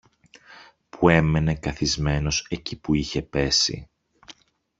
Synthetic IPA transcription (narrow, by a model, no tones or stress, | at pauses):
pʰue̞me̞ne̞kɐθizme̞no̞se̞cipuiçe̞pe̞sḭ